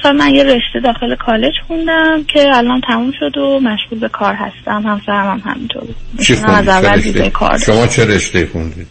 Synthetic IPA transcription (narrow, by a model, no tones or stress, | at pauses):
sælmænjere̞ʃt̪e̞d̪ɒːxe̞lekʰɒːle̞d͡ʒxund̪æmcʲʰe̞ælʔɒnt̪ʰæmumʃo̞d̪omæʃɣuːlbe̞kʰɒːɾɦæ̰st̪æmhæmsæɾæmæmhæ̰mint̪ʰo̰ɾbuiæmæzævæled̪izḛjekʰɒ̰ɾd̪ʃomɒːt͡ʃʰeɾeʃt̪eixund̪iːd̪̥